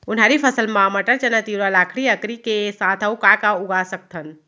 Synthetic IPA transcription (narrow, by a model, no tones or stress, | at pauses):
ʊnɦaɾipʰəsəlmãməʈəɾt͡ʃənət̪iɾalaːkʰɽiəkɾikesaːt̪ʰəukakaʊɡasək̚t̪ʰən